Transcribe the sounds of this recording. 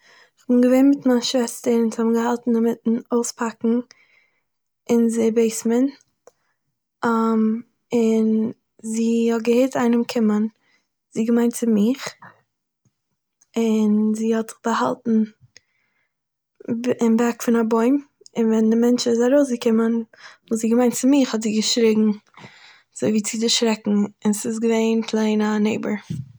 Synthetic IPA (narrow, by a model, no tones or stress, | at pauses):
ɪχbɪnɡəveɪnmɪtmanʃvɛstəɾɪnzhɔbɡəhalˠtn̩dɪmɪtn̩oʊspʰakŋ̩ | ɪnzɪbeɪsmən | am | ɪn | ziːhɔt̚ɡəheɪtaɪnəmkʰɪmən | z̥iːɡəmaɪ̃ntt͡sɪmɪχ | ɪnziːhɔtz̥ɪχbəha̰lˠtn̩ | ɪmbɛkfɪnabɔɪm | ɪnvɛndɪmɛnt͡ʃɪzaɾoʊsɡəkɪmənvuːziːɡəmaɪ̃ntt͡sɪmɪχhɔtziːɡəʃɾɪɡŋ̩ | z̥oɪviːt͡sidɪʃɾɛkŋ̩ɪnsɪs̬ɡəveɪnpʰlˠeɪnaneɪbəɹ